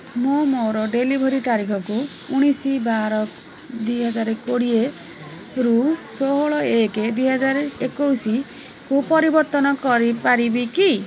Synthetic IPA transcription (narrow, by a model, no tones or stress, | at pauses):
momoɾɔɖelibʱɔɾit̪aɾikʰɔkuː | ɽ̃isibaɾɔ | d̪wiɦɔd͡ʒaɾekoɽie | ɾusoɦɔɭɔeked̪wiɦɔd͡ʒaɾekowsi | kupɔɾibɔɾt̪ɔnɔkɔɾipaɾibiki